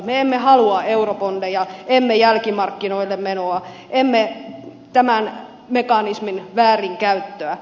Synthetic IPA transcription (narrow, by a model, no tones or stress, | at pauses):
meemːehɑluɑeuropondejɑemːejælkimɑrkːinoilːemmenoɑ | ʔemːe | t̪æmæn | mekɑnisminʋæːriŋkæyt̪ːøæ